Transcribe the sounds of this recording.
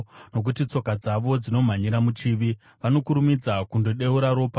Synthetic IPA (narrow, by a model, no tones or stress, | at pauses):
no̞k̬utit͡so̞kad͡zaʋo̞d͡zino̞m̤aɲiɾamut͡ʃiːʋi | ʋano̞kuɾumid͡zakundo̞ɗe̞uɾaɾo̞ːpa